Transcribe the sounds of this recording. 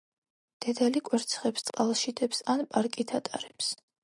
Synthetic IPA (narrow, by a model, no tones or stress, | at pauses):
d̪̥ɛd̪alikʼwɛɾt̪sʰχɛpst̪sʼqʼalˠʃid̪ʰɛpsanpʼaɾkʼit̪ʰat̪ʼaɾɛps